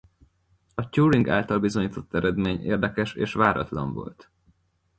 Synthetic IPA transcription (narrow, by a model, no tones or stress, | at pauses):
ɒcuːɾiŋɡa̰ːlt̪ɒlbizo̞ɲiːt̪ʰo̞t̪ːɛɾɛd̪meːɲḛːrd̪ɛkɛʃeːʃʋaːɾɒ̰t̪lɒ̰ɱvo̞̰lt̪